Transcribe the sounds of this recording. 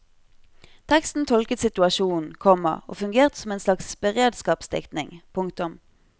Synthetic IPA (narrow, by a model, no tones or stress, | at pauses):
t̪ʰɛkst̪n̩t̪ʰɔlkət̪sɪt̪ʉɑʃuːnn̩kʰɔmːə̰o̰ːfʉŋɡeːʁt̪ə̥sɔmeːnslɑksbəʁeːd̪skɑːpsd̪ɪ̰kt̪nɪ̰ŋpʰʊŋkt̪ʊm